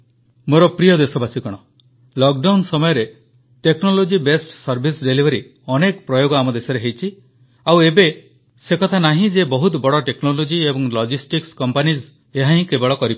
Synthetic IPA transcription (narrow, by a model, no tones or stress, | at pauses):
moɾɔpɾijɔd̪esɔbasikɔɽ̃ɔ | lɔk̚ɖawnsɔmɔjɔɾe | ʈeknolod͡ʒibesʈsɔɾbʱisɖelibʱɔɾi | ɔnekɔpɾɔjoɡɔamɔd̪esɔɾeɦejt͡ʃʰi | awebe | sekɔt̪ʰanaɦĩd͡ʒebɔɦut̪bɔɽɔʈeknolod͡ʒiebɔŋlɔd͡ʒisʈikskɔmpaniz | eɦaɦĩkebɔɭɔkɔɾip